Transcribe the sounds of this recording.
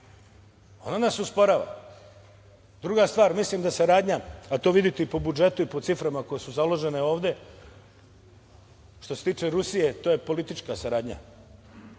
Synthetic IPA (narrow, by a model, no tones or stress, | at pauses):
o̞̰nanasuspo̞ɾaːʋa̰ | d̪ɾuɡast̪ʋaːɾmislimd̪asaɾaːd̪ɲaat̪o̞ːʋid̪it̪ɛipo̞bud͡ʒe̞t̪uipot̪sifɾamako̞je̞suzalˠo̞ʒe̞ne̞o̞ːʋd̪e̞ | ʃt̪o̞set̪iːt͡ʃe̞ɾusije̞t̪oːje̞po̞lit̪it͡ʃkasaɾaːd̪ɲa̰